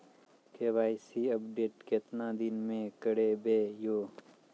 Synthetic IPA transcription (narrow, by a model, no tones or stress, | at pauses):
keːʋaːɪsiɐbɖeːʈket̪nad̪ɪnmẽkɐɽebeːjoː